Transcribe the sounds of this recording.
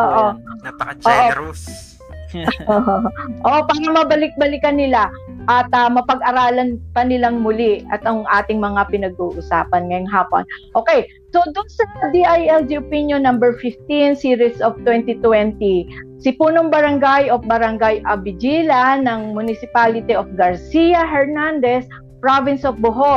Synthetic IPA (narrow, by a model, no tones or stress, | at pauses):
ʔoːʔo | ʔoːʔo | oʔoʔopaːɾɐmɐbɐlɪk̚bɐlɪkɐnɪlaʔɐt̪ɐmɐpɐɡ̚ʔɐɾaːlɐnpɐnɪlaŋmʊlɪʔɐt̪ɐŋʔaːt̪ɪŋmɐŋapɪnɐɡ̚uːʔʊsa̰ːpɐnŋɐjoŋɦaːpo̰nʔo̞ːkɛj | so̞d̪ʊnsɐd̪iʔajɛld̪iopinjonːambɛɹfɪft̪insiːɾɪsʔoft̪wɛnt̪ɪt̪wɛnt̪isɪpuːnoŋbɐɾɐŋɡajʔofbɐɾɐŋɡajʔɐbɪd͡ʒilɐnɐŋmʊnɪsɪpaːlɪt̪iʔofɡɐɹsijɐɦɛɹnand̪ɛs | pɹavɪnsofbʊɦo